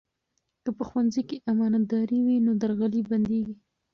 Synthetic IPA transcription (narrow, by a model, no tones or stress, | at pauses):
kəpəxwanzəjkeʔamɑnad̪ɑɾiwinod̪aɾɣaliband̪eɡi